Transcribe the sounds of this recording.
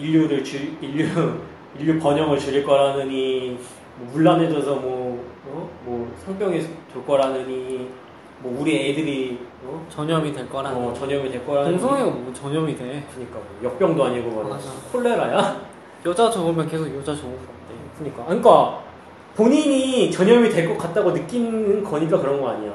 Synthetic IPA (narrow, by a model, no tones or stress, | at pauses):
iʎːuɾɯɭt͡ɕɯiʎːu | iʎːupʌɲʌŋɯɭt͡ɕɯɾiɭk͈ʌɾanɯɲi | mwʌmuɭːaned͡ʑʌsʰʌmwʌʌmwʌsʰʌŋp͈jʌŋitoɭk͈ʌɾanɯɲi | mwʌuɾiedɯɾiʌt͡ɕʌɲʌmidwe̞ɭk͈ʌɾaʌt͡ɕʌɲʌmideɭk͈ʌɾaoŋsʰoŋeʌmut͡ɕʌɲʌmide̞kɯɲik͈amojʌk̚p͈jʌŋdoaɲiɡomaɾhʰoɭːe̞ɾaja | jʌd͡ʑad͡ʑobomjʌnkesʰoɡjʌd͡ʑat͡ɕobok͈adekɯɲik͈akɯk͈a | poɲiɲit͡ɕʌɲʌmidwe̞ɭk͈ʌk͈at̚t͈aɡonɯk͈inɯnkʌɲik̬͈akɯɾʌnɡʌaɲija